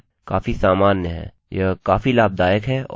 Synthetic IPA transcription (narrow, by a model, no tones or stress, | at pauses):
kaːfisaːmaːnːeɦɛ̰̃ː | jəkaːfilaːb̚d̪aːjəkɦɛːɔ̰